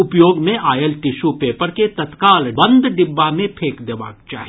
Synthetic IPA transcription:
ʊpjoːɡmẽʔaːjelʈɪʃupeːpəɾket̪ɐt̪kaːlbɐ̃nd̪ʱɖɪbːamẽpʰeːkd̪eːba̰ːk̚t͡ʃaːɦi

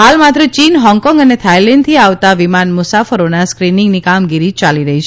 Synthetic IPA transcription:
ɦalmat̪ɾət͡ʃinɦɔ̃ŋkɔ̃ŋɡənet̪ʰajlɛɳɖ̚t̪ʰiaʋt̪aʋimanmʊsafəɾonaskɾinɪŋɡnikamɡiɾit͡ʃaliɾəɦit͡ʃʰe

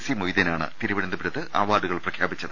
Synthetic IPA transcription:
simojðɐnaːɳɨ̰t̪iɾuʋiɽɐnd̪ɐbiɾɐðɨʔa̰ːʋaːduɣɐɭprɐkʰjaːbit͡ɕːɐðɨ

